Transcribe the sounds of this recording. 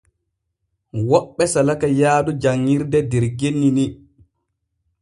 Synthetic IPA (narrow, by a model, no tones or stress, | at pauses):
wɔɓːɛsalakajaːdud͡ʒaŋːiɾdɛdɛɾɡenːini